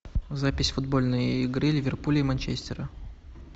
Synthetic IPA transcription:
zapʲɪsʲfʊd̪̚bo̞lʲnɨjɪɡɾɨlʲɪvʲɪrpulʲɪmɐnʲt͡ɕesʲt̪ʲɪɾə

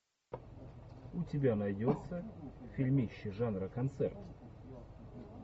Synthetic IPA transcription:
ʊtʲɪbʲanɐjdʲot̪səfʲɪlʲmʲiɕːɪʐanɾəkɐnt̪sɛ̰rt̪

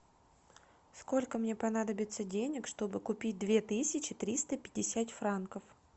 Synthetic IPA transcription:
sko̞lʲkəmnʲe̞pɐnad̪əbʲɪt̪sədʲenʲɪkʂt̪o̞bɨkʊpʲit̚ʲd̪vʲe̞t̪ɨsʲɪt͡ɕɪt̪ɾʲist̪əpʲɪdʲɪsʲat̪fɾankəf

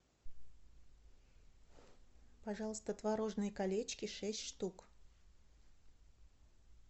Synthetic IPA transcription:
pɐʐɑlˠəst̪ət̪vɐɾo̞ʐnɨjəkɐlʲet͡ɕkʲɪʂɛsʲtʲʂt̪uk

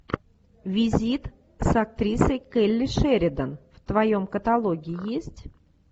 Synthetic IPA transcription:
vʲizʲit̪ | sak̚t̪ɾʲisəjkɛlʲːiʂɛɾʲɪd̪ənft̪vɐjomkət̪alˠoɡʲiːjesʲtʲ

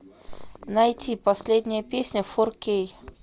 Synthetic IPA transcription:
nɐjtʲipɐsʲlʲed̪ʲnʲəjəpʲesʲnʲəforkʲej

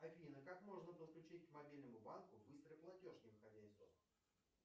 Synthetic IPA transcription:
ɐvʲinəkakmo̞ʐnəpəfklʲʉt͡ɕitʲkmɐbʲilʲnəmʊbankʊbɨst̪ɾəjplˠɐtʲo̞ʐnʲɪvɨxɐzʲæɪzd̪o

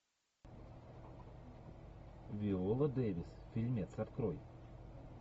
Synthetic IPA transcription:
ʋʲiolˠɐd̪eːʋʲɪsfʲilʲmʲet̪sɐt̪kɾoj

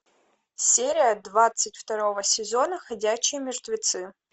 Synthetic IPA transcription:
sʲeɾʲɪjəd̪vat̪sɨtʲft̪ɐɾo̞vəsʲɪzo̞nəxɐdʲæɕːɪjəmʲɪrt̪vʲɪt̪sɨ

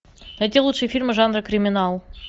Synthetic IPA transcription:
d̪ɐt̪ʲelˠut̪ʂɨjfʲirʲmɨʐanɾəkɾʲɪmʲɪnalˠ

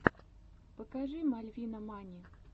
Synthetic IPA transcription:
pɐkaʐɨmalʲvʲinɐmanʲi

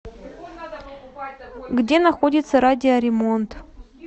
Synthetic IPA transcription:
ɡdʲe̞nɐxodʲɪt̪səɾadʲɪɐɾʲɪmo̞nt̪

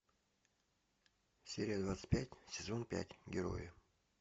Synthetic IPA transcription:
sʲeɾʲɪjəd̪vat̪sɨ̥tʲpʲætʲsʲɪzo̞npʲæ̰tʲɡʲɪɾo̞̰jɪ

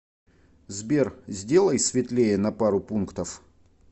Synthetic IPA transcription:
zbʲerzʲdʲe̞lˠəjsvʲɪt̪lʲejənɐpaɾʊpunkt̪əf

